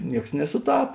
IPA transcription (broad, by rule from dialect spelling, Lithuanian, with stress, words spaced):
ˈnʲiɛks nʲɛsʊˈtɐp